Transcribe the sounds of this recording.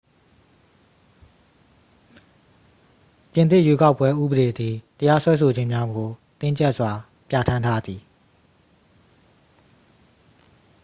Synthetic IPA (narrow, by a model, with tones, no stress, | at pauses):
pjɪ̃˨nt̪ɪ˦˨jwe˦ka˦ʊpːwɛ˦ʔṵ˦˨bəɾe˨d̪i˨təja˦swɛ˦sʰo˨d͡ʑɪ̃˦˨mja˦ɡo˨t̪ɪ̃˦˨ɲt͡ɕɛ˦ʔswa˨ | pja̰˦˨tʰã˦ntʰa˦d̪i˨